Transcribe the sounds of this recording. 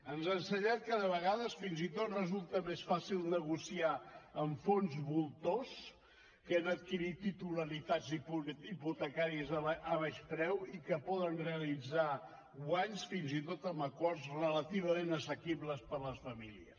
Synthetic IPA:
ənzənsəɲat̪̚kəðəβəɣaðəsfinzit̪ot̪rəzulˠt̪əmesfasilˠnəɣusiaəɱfonzβulˠt̪os | kənət̪̚kiɾit̪ːit̪uləɾit̪ad͡zipiput̪əkaɾiəzʔəβaʃpɾɛwikəpɔðənreəlid͡za | waɲsfinzit̪ot̪əməkɔrzrələt̪iβ̞əmenəsəkiβləspəɾləsfəmiliəs

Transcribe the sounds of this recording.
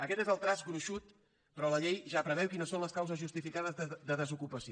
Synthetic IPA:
əkɛt̪ezəlˠt̪ɾazɡɾuʃut̪ | pɾɔləʎejʒapɾəβ̞ɛwkinəsːonləskawzəzʒust̪ifikað̞əzəd̪əðəzukupəsi

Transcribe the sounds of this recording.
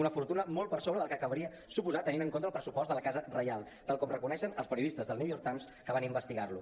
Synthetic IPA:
unəfuɾt̪unəmolˠt̪̚pəɾsoβɾəðəlˠkəkəβɾiə | supuzat̪əninəŋkont̪əlˠpɾəsupɔst̪d̪ələkazərəjalˠ | t̪alˠkɔmrəkunɛʃənəlˠspəɾiuðist̪əzðəlˠniuwjɔɾk̚t̪ajms | kəβanimbəst̪iɣarlu

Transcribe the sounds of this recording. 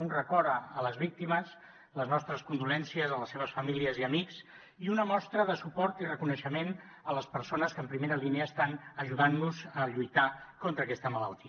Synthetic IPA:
unrəkɔɾəələzβik̚t̪iməs | ləznɔst̪ɾəskund̪ulɛnsiəzələsːeβ̞əsfəmiliəziəmiks | iunəmɔst̪ɾəðəsupɔɾt̪irəkunəʃəmen | ələspəɾsonəskəmpɾimeɾəliniəːst̪anəʒuðanːuzəʎujt̪akont̪ɾəːkɛst̪əmələlˠt̪i

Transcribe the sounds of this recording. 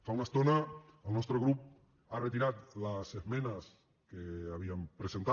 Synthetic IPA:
faunəst̪onəəlˠnɔst̪ɾəɣɾup̚ | arət̪iɾat̪ləsezmɛnəs | keaβiəmpɾəzent̪

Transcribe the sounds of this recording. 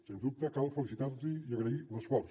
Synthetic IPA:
senzd̪up̚t̪əkalˠfəlisit̪aɾziiəɣɾəiləsfɔɾs

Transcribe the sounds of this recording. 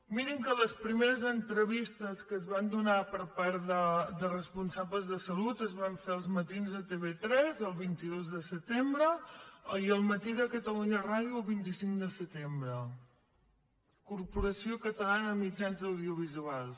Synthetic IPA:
miɾəŋkələspɾimeɾəzənt̪ɾəβist̪əskəzβand̪unapəɾpaɾðəd̪ərəspunsabləzðəsəlut̪əzβaɱfeəlˠzmət̪inzət̪eβet̪ɾɛzəlˠβint̪iðozðəsət̪embɾə | iəlˠmət̪iðəkət̪əluɲəraðiuəlˠβint̪isiŋkd̪əsət̪embɾə | kuɾpuɾəsiokət̪əlanəmid͡ʒanzəwðiuβ̞izualˠs

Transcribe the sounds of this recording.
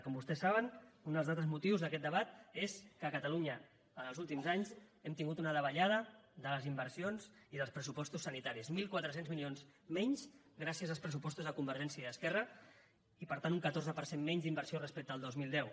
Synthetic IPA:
kɔmbust̪ɛsːaβənund̪əlˠzðat̪ɾəzmut̪iwzðəkɛt̪d̪əβat̪̚eskəkət̪əluɲə | ənəlˠzulˠt̪imzaɲzɛmt̪iŋɡut̪unəðəβəʎað̞əðələzimbəɾsionziðəlˠspɾəsupɔst̪usːənit̪aɾizmilˠkwat̪ɾəsenzmilionzmɛɲz | ɡɾasiəzəlˠspɾəs̬upɔst̪uzðəkumbəɾʒɛnsiəiðəskɛrə | ipəɾt̪anuŋkət̪oɾzəpəɾsenmɛɲzd̪imbəɾsiorəspɛk̚t̪əːlˠd̪ozmilˠd̪ɛw

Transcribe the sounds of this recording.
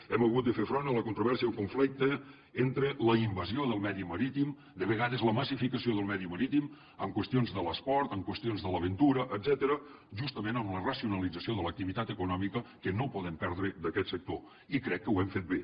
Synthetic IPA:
ɛməɣut̪̚d̪əfefɾonələkunt̪ɾuβɛɾsiəəlˠkuɱflik̚t̪ə | ent̪ɾələimbəzioðəlˠmɛðiməɾit̪im | d̪əβəɣaðəzləməsifikəsioðəlˠmɛðiməɾit̪im | əmkwəst̪ionzðələspɔɾt̪əmkwəst̪ionzðələβ̞ənt̪uɾəʔəd̪zɛt̪əɾə | ʒust̪əmenəmlərəsiunəlid͡zəsioðələk̚t̪iβit̪at̪əkunɔmikəkənopɔðəmpɛɾð̞ɾəd̪əkɛt̪sək̚t̪o | ikɾɛkːəwɛmfet̪̚be

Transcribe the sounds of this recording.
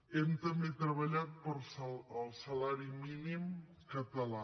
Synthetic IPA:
ɛmt̪əmbet̪ɾəβəʎat̪̚pəɾsəəlˠsəlaɾiminim | kət̪əla

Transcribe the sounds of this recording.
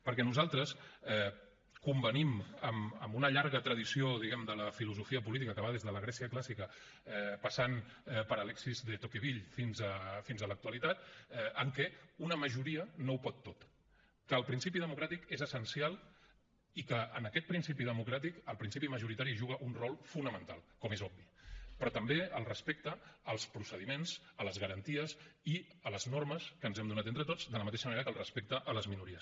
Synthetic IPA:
pəɾkɛnuzalˠt̪ɾəsɛ | kumbəniməmə̰mbunəʎaɾɣət̪ɾəðisioðiɣɛmd̪ələfiluzufiəpulit̪̬ikəkəβaðezðələɣ̞ɾɛsiəklasikə | ɛpəsan | ɛpəɾəlɛksizðət̪okiβ̞iʎfinzəfinzələk̚t̪uəlit̪at̪ɛəŋkɛunəməʒuɾiənowpɔt̪ːot̪ | kəːlˠpɾinsipiðəmukɾat̪ikezəsənsialˠ | ikəənəkɛt̪̚pɾinsipiðəmukɾat̪ikəlˠpɾinsipiməʒuɾit̪aɾiʒuɣ̞əʔunrɔlˠfunəmənt̪a̰lˠkɔmezɔbbipɾɔt̪əmbeəlˠrəspek̚t̪əːlˠspɾusəðimenz̥ələzɣəɾənt̪iəsiələznorməskənzɛmd̪unat̪ent̪ɾət̪od͡zd̪ələmət̪eʃəməneɾəkəlˠrəspek̚t̪əʔələzminuɾiəs

